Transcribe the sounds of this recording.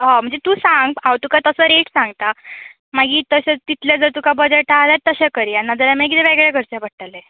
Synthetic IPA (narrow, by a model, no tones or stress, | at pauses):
ɦãm̤əɳd͡zet̪uːsãŋɡawt̪ukat̪əsəɾeʈsãŋɡt̪a | maɡiːt̪əɕet̪it̪ʰljad͡zəɾt̪ukabəd͡zeʈalat̪ːəɕekəɾianːad͡zəɾamek̬it̪ɛʋɛɡɭjakəɾt͡ɕabəʈʈalɛ